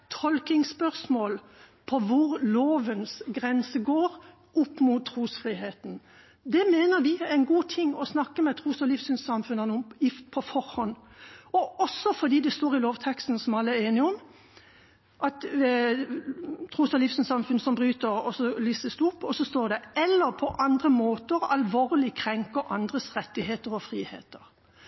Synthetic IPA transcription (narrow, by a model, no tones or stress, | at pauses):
t̪ʰɔlkɪŋspœʁsmoːl | pʰɔʋʊɾloːʋənsɡʁɛnsəɡoːʁ | ʊpːmut̪ʰːʁuːsfʁiːheːt̪n̩ | d̪ɛmeːnəɾʋɪænɡuːt̪ʰɪŋːɔsnɑkːəmɛt̪ʰʁuːsɔlɪfsʏnssɑmfʉnɑnʊɪpʰɔfɔɾhɔnːɔɔsːɔfɔd̪iːd̪ɛst̪oːʁɪloːʋt̪ʰɛkst̪n̩sɔmɑlːəæeːnɪɔm | ʔɑt̪ | t̪ʰʁuːsɑlifsynsɑmfʉnəsɔmbʁyːt̪əɾɔsɔliːsəsd̪ʉʊpːɔsɔst̪oːʁd̪ɛɛlːəʁpʰɔʔɑnd̪ʁəmoːt̪əɾɑlʋoːʁlɪkʰʁɛŋkəɾʔɑnd̪ʁəsɾɛt̪ːɪheːt̪əɾɔfɾiːhḛːt̪əɾ